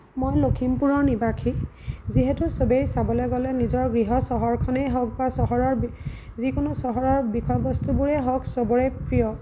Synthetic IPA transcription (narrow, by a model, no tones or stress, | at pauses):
mojlokʰimpuɹɔɹnibakʰiziɦetusobejsabɔlɛɡɔlɛnizɔɹɡɹiɦɔsɔɦɔɹkʰɔnejɦɔk̚basɔɦɔɹɔɹ | zikonʊsɔɦɔɹɔɹbikʰɔjbɔstubuɹɛɦɔksɔbɔɹɛpɹijɔ